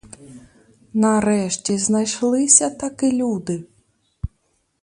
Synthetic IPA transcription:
nɐɾɛʃtʲiznɐjʃlˠɪsʲɐt̪ɐkɪlʲud̪ɪ

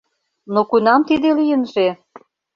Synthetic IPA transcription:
nokunɑmt̪id̪elijənʒe

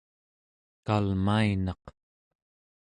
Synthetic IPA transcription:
kalmainɑq

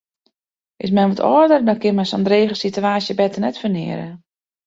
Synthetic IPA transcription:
ʔɪs̬mɛnʋɔtɔːdərdɔkɪnmɛsɔndreːɣəsityaːsjəbɛtənɛtfənɪ̰əɾə̰

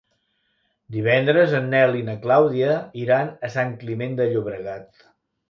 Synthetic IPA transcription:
d̪iβ̞ɛnd̪ɾəzənːɛlinəklawðiəiɾanəsaŋklimend̪əʎuβɾəɣat̪

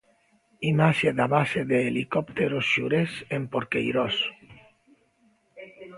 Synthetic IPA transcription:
imaʃeðaβaseðeːlikopt̪eɾosʃuɾesempoɾkḛjɾos

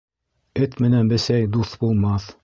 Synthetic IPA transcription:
ɘt̪mɘ̆nænbɘ̆sæjd̪uθbulˠmɑθ

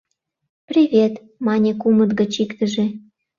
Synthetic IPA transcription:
prʲivʲet̪ | mɑnʲekumət̪ɡə̆t͡ɕikt̪əʒe

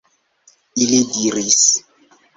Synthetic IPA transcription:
ilidiris

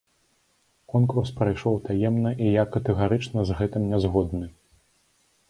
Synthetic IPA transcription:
kɔnkurspɾajʂɔwt̪ajɛmnɐʔijakːɐt̪ɨɣaɾɨt͡ʂnɐzɣɛt̪ɨmnʲɛzɣɔd̪nɨ

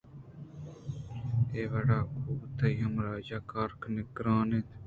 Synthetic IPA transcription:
eːʋɐɽaːkʰuːbt̪ʰɐiːɦɐmɾaːd͡ʒaːkaːɾknɪkɾaːnet̪

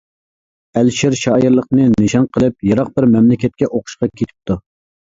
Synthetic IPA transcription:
ælʃiɾʃɑːjiɾlˠəqnɨnɨʃɑnqʰəlˠɨp̚jɑɾɑq̚bɪɾmɛmlɪkʲɛt̪̚kʲɛʔoqʰʊ̥ʃqɑkʲʰet̪ʰɪ̥p̚t̪u

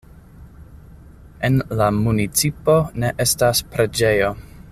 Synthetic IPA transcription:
e̞nlamunit͡sipo̞ne̞ʔe̞staspɾe̞d͡ʒe̞jo̞

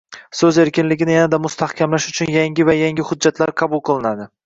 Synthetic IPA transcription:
sɵze̞ɾkʲɪnlɪɡʲɪnɪjanad̪amʊst̪ʰahkʲʰamlaʃʊt͡ʃʰʊnjaŋɡʲɪvajaŋɡʲɪhʊd͡ʒːat̪ʰlaɾqʰɑbʊlˠqʰɨlˠɪnad̪ɪ

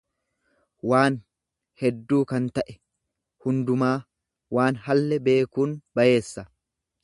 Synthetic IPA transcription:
waːn | hɛd̪ːuːkɐnt̪ɐʔɛ | hʊnd̪ʊmaː | waːnhɐlːɛbe̞ːkuːnbɐje̞ːsːɐ

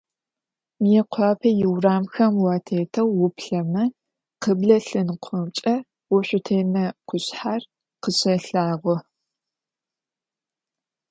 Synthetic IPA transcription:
mijɛqʷʰɑːpʰɐjɪwraːmxɐmwɑːtʰeːtʰɐwːʊpɬɐmɐ | qəbɮɐɬɨnqʷʰɔwt͡ʃʼɐ | wʊɕʷʊtʰeːmɐqʷʰʊɕħar | qəɕʼɐɬaːʁʷɔ

